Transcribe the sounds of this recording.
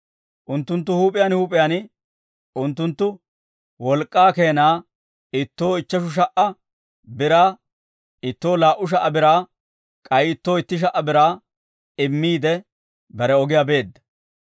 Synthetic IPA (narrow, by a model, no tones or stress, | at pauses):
ʔʊnt̪ːʊnt̪̬ːʊhuːpʼɪjaːnhuːpʼɪjaːn | ʊnt̪ːʊnt̪ːʊ | wɔlkʼːaːke̞ːnaː | ɪt̪ːo̞ːɪt͡ʃːɐʃʊʃ̬ɐʔɐ | bɪɾaː | ɪt̪ːo̞ːlaːʔʊʃ̬ɐʔːɐbɪɾaː | kʼɐjɪt̪ːo̞ːɪt̪ːɪʃ̬ɐʔːɐbɪɾaː | ɪmːiːd̪ɛ | bɐɾɛɔɡɪjabe̞ːd̪ːɐ̥